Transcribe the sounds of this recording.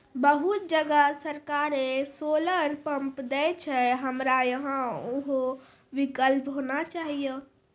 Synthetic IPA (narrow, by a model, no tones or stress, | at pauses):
bəɦut̪̚d͡ʒəɡəsəɾkaɾesoləɾpəmpd̪ɛt͡ʃʰɛɦəmɾajəɦãoɦo | ʋikəlpɦonat͡ʃaɦijə